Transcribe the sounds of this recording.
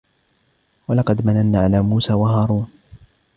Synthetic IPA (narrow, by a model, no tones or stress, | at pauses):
walɑqɑd̪mananːaːʕalaːmuːsaːwaɦaːɾˤuːn